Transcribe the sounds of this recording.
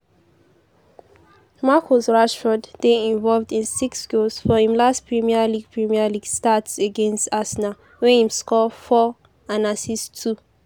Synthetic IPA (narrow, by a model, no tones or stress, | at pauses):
makʰosɹaʃfɔddeĩɱvɔlvdĩnsiksɡulsfɔhĩmlastpʰɹimialiɡ̥̚pʰɹimialiɡstatseɡɛ̃nstasna | wɛ̃nhĩmskɔfɔ | ãnasistʰu